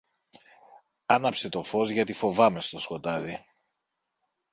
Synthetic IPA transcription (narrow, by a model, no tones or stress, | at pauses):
ɐnɐpse̞t̪o̞fo̞zʝɐt̪ifo̞vɐme̞st̪o̞sko̞t̪ɐði